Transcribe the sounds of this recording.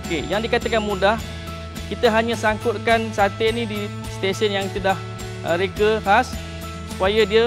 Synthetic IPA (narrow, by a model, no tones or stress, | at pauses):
okejaŋdikat̪akanmũdah | kit̪əɦaɲãsaŋkʊt̪̚kansat̪enidi | st̪esənjaŋt̪ədah | əɾekəhas | supajədiə